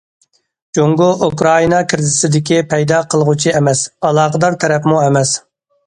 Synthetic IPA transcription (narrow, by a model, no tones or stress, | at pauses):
d͡ʒoŋɡuʔukɾɑinɑkʲʰiɾɪd̪ɪsɪd̪ɪkʲipʰɛjd̪ɑqʰəlˠəʁut͡ʃʰiɛmɛsɑlˠɑːqəd̪ɑɾt̪ʰɛɾɛpmuɛmɛs